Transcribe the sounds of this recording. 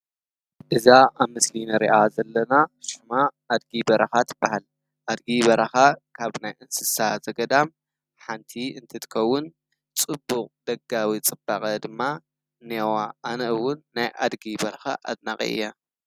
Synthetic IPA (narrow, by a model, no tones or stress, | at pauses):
ʔɨzaʔaβmɨslinɐɾḭʔazɐlːɐnaʃumaː | d̪ɡibɐɾɐxat̪ɨbahal | ʔad̪̚ɡibɐɾɐxakʰaβnajɨnsɨsazɐɡɐd̪am | ħant̪ʰiɨnt̪ʰɨt̪ʰɨ̥kʰɐwːʊn | t͡sʼɨbːukʼd̪̥ɐɡawit͡sʼɨbakʼɐd̪ɨmːa | newaʔːnɐʔɨwːʊnːajʔa̰d̪ɡibɐɾɐxa̰ʔa̰d̪naχʼḭʔɨ̰jːa